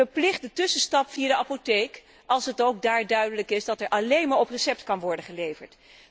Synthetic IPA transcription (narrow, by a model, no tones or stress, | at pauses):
əplɪχt̚dətʏsənstɑpfiadəʔapotejk | ɑlˠsɦətowɡ̚daːɹdœɥdələkɪsdɑtɛɹʔɑlejnmaːɹɔprəsɛp̚tkɑnʋɔɹdəχəlejvəɹt